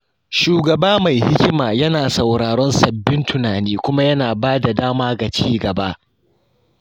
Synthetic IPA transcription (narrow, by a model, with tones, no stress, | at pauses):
ʃuː˨ɡɐ˨baː˦ma˨jhɪ˦kʲɪ˦maː˨jɐ˦naː˨sɐ˨wɽaː˨ɽɔ˦nsɐ˨bːɪ˦ntʊ˨naː˨niː˦kʷʊ˦ma˦jɐ˦naː˨baː˦da˨daː˦maː˦ɡa˨t͡ʃiː˦ɡɐ˨ba˦ʔ